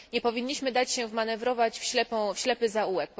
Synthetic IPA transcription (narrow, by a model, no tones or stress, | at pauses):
ɲɛpɔvʲiɲːiɕmɘd̪at͡ɕɕɛvmanɛvɾɔvat͡ɕfɕlɛpɔ̃fɕlɛpɘzauwɛk̚p